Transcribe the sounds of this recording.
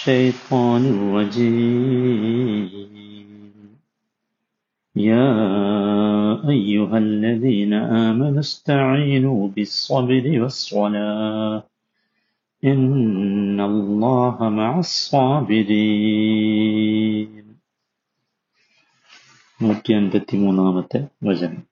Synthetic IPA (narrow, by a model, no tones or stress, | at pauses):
ʃajt̪ˤʰɑːnɪlɾɑd͡ʒiː | n | jaː | ʔajːʊɦalːaðiːnaʔaːmanʊst̪aʕiːnuːbɪsˤːɑbɾɪwɑsˤːɑlaːh | ʔɪnː | alˤːɑːhamaʕasˤːɑːbɪɾiː | n | mʊːt̪ːanb̪at̪ːɪmunaːmat̪awazam